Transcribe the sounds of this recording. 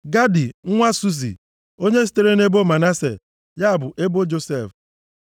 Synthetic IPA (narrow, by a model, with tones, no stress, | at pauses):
ɡa˦di˨ŋ̩˦ŋʷa˦su˦z̬ḭ˨ | o˦ɲe˦s̬i̥˦te˦ɾe˦ne˦bo˦ma˨na˦sḛ˨ | ja˦a˨bʊ˨ʔe˦bo˦d͡ʒo˦se˦˨f